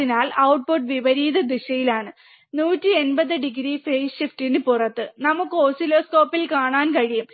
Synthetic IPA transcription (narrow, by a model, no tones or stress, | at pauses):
inaːlɐwʈ̚poʈʋiʋɐɾiːðɐd̪iɕɐjilaːɳɨ | nuːtːie̞nbɐðɨɖiɡɾifejɕiftinɨpurɐt̪ːɨnɐmukːɨo̞ːsilo̞ːsko̞ːpːilkaːɳaːnkɐɻijum